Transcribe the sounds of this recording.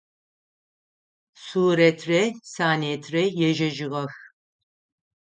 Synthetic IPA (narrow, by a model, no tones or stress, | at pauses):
suːɾɛt̪ʰrɛsaːniɛt̪ʰrɛjɛʒɛʒiɣɐx